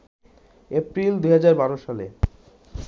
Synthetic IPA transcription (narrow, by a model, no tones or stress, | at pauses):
epɾild̪uɦad͡ʑaɾbaɾoʃale